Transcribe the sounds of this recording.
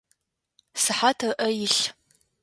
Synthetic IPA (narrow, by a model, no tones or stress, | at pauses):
sɨħatʰɐrʔɐjɪɬ